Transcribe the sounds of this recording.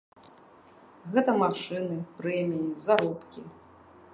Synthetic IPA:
ɣɛt̪ɐmaʂɨnɨpɾɛmʲijizaɾɔpkʲi

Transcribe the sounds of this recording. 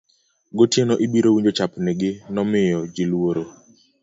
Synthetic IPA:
ɡotjenoʔibiɾowiɲd͡ʒot͡ʃapnɛɡɪnɔmɪjɔd͡ʒɪlwoɾo

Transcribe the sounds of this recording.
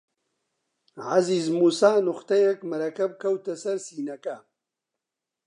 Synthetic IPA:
ʕaziːzmuːsaːnʊxt̪ɐjekmɐɾɐkɐb̚kʰɐwt̪ɐsɐɾsiːnɐkɐ

